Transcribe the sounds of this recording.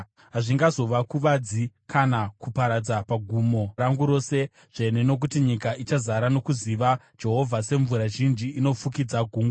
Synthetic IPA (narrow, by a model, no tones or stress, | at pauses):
ɦaʐiŋɡazo̞ʋakuʋad͡zikʰanakupaɾad͡zapaɡʱuːmo̞raŋɡuɾo̞ːse̞ | ʐ̥eneno̞k̬utiɲikaʔit͡ʃazaɾano̞kuziʋa | d͡ʒe̞ɦo̞vʱase̞ɱvuɾaʒind͡ʒiːno̞fukid͡zaɡʱuːŋɡa